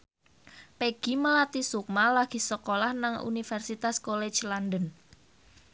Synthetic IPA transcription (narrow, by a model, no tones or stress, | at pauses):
peɡ̥i̤məlat̪isuk̚malaɡ̥i̤səkolahnaŋṵnifɛrsit̪askole̥d͡ʒlandən